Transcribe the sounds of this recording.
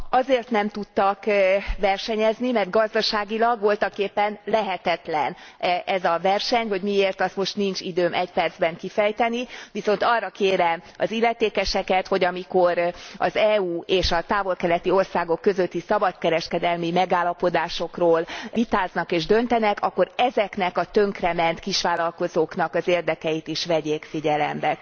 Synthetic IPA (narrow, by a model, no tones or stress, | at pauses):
ɒzeːrt̪nɛmt̪ut̪ːɒkʋɛrʃɛɲɛznimɛrt̪̚ɡɒzd̪ɒʃaːɡilɒɡʋo̞lt̪ɒkːeːpːɛnlɛɦɛt̪ɛt̪lɛnɛzɒvɛrʃɛɲho̞ɟmieːrt̪ɒst̪mo̞ʃt̪nint͡ʃid̪øːmʔɛcpɛrd̪zbɛŋkifɛjt̪ɛniʋiso̞nt̪ɒrːɒkeːɾɛmɒzilːɛt̪eːkɛʃɛkɛt̪ho̞ɟɒmiko̞ɾɒ̰zɛːuːeːʃɒt̪aːvo̞lkɛlɛt̪io̞rsaːɡo̞kːø̞zøt̪ːisɒbɒt̪kɛɾɛʃkɛd̪ɛlmimɛɡaːlːɒpo̞d̪aːʃo̞kroːlit̪aːznɒkeːʒd̪ø̞nt̪ɛnɛkɒkːo̞ɾɛzɛknɛkɒt̪ø̞ŋkrɛmɛnt̪kiʃʋaːlɒlko̞zoːknɒkɒzeːrd̪ɛkɛjit̪iʃʋɛɟeːkfiɟɛlɛ̰mbɛ